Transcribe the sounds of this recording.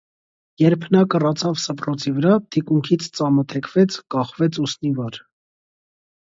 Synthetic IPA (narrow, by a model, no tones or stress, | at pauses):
jɛɾpʰnɑkərɑt͡sʰɑvsəprɔt͡sʰivəɾɑt̪ʰikuŋkʰit͡sʰt͡sɑmət̪ʰɛkʰvɛt͡sʰkɑχvɛt͡sʰusnivɑɾ